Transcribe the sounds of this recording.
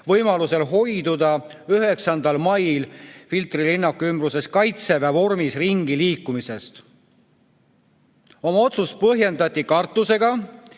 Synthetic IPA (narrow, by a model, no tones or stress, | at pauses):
vɤjmɑluse̞lɦo̞jd̪ud̪ɑyɦe̞ksɑnd̪̥ɑlmɑjlfilt̪rilinːɑkymbɾuse̞skɑjt̪se̞vævo̞rmisriŋɡ̥iliːkːˑumise̞st̪ | o̞mɑo̞t̪sus̚pɤɦje̞nd̪ɑt̪ʲːikɑrt̪ˑːuse̞ɡɑ